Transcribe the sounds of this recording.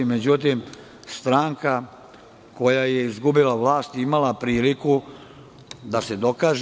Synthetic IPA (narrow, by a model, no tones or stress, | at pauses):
imed͡ʑut̪̬im | st̪ɾaːŋka | ko̞jajeizɡubilaʋlaːst̪imalapɾiːliku | d̪ase̞d̪o̞kaːʒ